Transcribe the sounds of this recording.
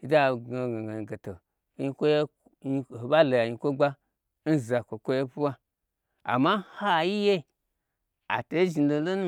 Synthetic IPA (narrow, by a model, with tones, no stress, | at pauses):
i˨da˦˨ɡa˨ɡa˨ɡa˨i˨ɡe˨to˨˦ | i˦˧kʷo˦je˦ | i˧˨o˨ba˦lo˨ja˨ɲi˧kʷo˦ɡ͡ba˦ | n̩˦za˨kʷo˨kʷo˦je˦pu˦wa˦ | a̰˨ma˦ha˦˨ji˦je˦˨ | a̰˨to˨i˦ʒi˨n˦do˨˦lo˦nu˦